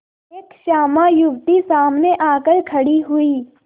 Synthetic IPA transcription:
eːkʃaːmajʊbt̪isaːmneʔaːkəɾkʰɐɽiɦʊiː

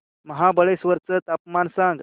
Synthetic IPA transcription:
məɦabəɭesʋəɾt͡sət̪ap̚mansãŋɡ

